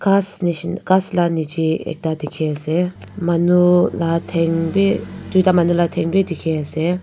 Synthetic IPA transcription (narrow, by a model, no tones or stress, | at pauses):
kasniʃnkaslanid͡ʒiḛk̚t̪ad̪ikʰese | mɐnulat̪ʰeŋbid͡ʒud̪amanulat̪ʰeŋbʱid̪ikʰease